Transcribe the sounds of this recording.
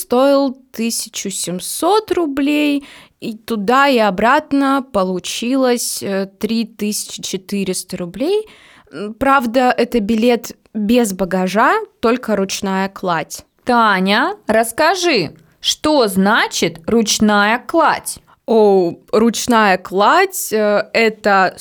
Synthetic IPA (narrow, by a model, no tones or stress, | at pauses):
st̪o̞ɪlˠt̪ɨsʲɪ̥t͡ɕʊsʲɪmso̞t̪rʊblʲej | it̪ʊd̪aɪɐbɾat̪nəpəlˠʊt͡ɕilˠəsʲt̪ɾʲit̪ɨsʲɪ̥t͡ɕɪ̥t͡ɕɪt̪ɨɾʲɪst̪əɾʊblʲej | pɾavd̪əʔɛt̪əbʲɪlʲe̞t̪ | bʲezbəɡɐʐat̪o̞lʲkəɾʊt͡ɕnajəklˠatʲ | t̪anʲəɾəskɐʐɨ | ʂt̪oznat͡ɕɪt̪rʊt͡ɕnajəklˠa̰tʲ | orʊt͡ɕnajəklˠatʲɛt̪ə